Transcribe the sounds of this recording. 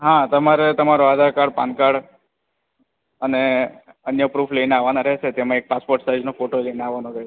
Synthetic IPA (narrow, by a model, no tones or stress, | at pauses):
ɦãt̪əmaɾet̪əmaɾoad̪ʱaɾkaɽpa̰nkaɽ | əne | ənjəpɾufʰleineaʋanaɾəɦt͡ʃʰet̪emãek̚paspoɾʈsajd͡ʒnofoʈolejneaʋanoɾəɦee